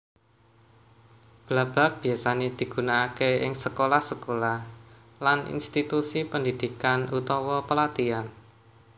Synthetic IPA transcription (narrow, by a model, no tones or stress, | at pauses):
b̥lab̥a̤k̚b̥i̤asaned̪̥i̤ɡ̥unaːkeɪŋsəkolahsəkolah | lanḭnst̪it̪usipəndid̪̥i̤kanut̪ɔwɔpəlat̪ian